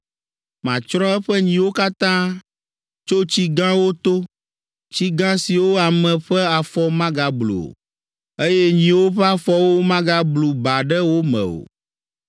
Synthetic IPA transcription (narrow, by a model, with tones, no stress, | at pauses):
mã˨t͡ʃɾɔ̃˦ɛ˦ɸɛ˦ɲĩ˨wo˦ka˦t̪ã˦ | t͡ʃo˦t͡ɕi˦ɡã˦wo˦t̪o˦ | t͡ɕi˦ɡã˦si˨wo˦a˨mɛ̃˨ɸɛ˦a˨fɔ˦mã˦ɡa˨blṵ˨o̰˨ | e˦jɛ˦ɲĩ˨wo˦ɸɛ˦a˦fɔ˦wo˦mã˦ɡa˦blu˨ba˨ɖɛ˦wo˦mɛ̰̃˨o̰˨